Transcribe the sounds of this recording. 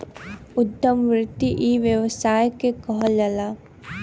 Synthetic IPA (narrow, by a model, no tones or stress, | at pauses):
ʊt̪ːəmʋɾɪt̪ːiʔiʋjəʋsaːjkekɔɦlɐla